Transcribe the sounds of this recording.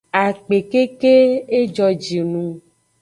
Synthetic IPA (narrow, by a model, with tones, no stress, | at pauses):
a˨k͡pe˨ke˦ke˦e˦d͡ʒɔ˨d͡ʒi˨nũ˦